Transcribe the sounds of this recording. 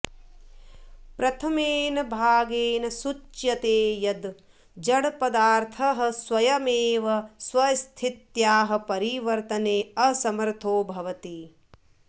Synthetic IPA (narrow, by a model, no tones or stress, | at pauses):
pɾɐt̪ʰɐmeːnɐbʱaːɡeːnɐsut͡ʃjɐt̪eːjɐd̪ | d͡ʒɐɽpɐd̪aːɾt̪ʰɐɦɐ̆swɐjɐmeːʋɐswɐst̪ʰit̪jaːɦɐ̆pɐɾiʋɐɾt̪ɐneːɐsɐmɐɾt̪ʰoːbʱɐʋɐt̪i